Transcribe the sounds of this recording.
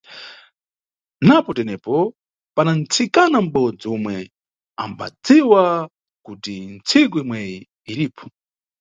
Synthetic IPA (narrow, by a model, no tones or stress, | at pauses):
napɔtɛnɛpɔ | panan̩t͡sʰikanam̩bɔd͡ziumwɛ | a̰mba̰d͡ziwa | kutint͡sʰik̬uimwɛjiː | lipʰɔ̥